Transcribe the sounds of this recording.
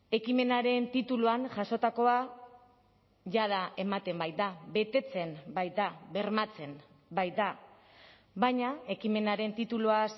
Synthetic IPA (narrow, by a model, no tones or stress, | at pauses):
e̞kime̞naɾe̞nt̪it̪uluanʝaso̞t̪ako̞a | ʝað̞aʔe̞mat̪e̞mbajt̪d̪abe̞t̪e̞t͡se̞mbajt̪̚d̪aβe̞ɾmat͡se̞m | bajt̪̚d̪a | βajɲae̞kime̞naɾe̞nt̪it̪uluas